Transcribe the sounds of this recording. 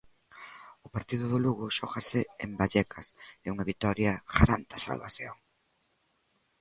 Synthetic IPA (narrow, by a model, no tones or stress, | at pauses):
ʊpaɾt̪iðʊðʊluɣʊʃɔɣɐsɪembaʎɛkʰɐsɪuŋɐβit̪ɔɾjɐɣa̰ɾant̪ɐsa̰lβaθjoŋ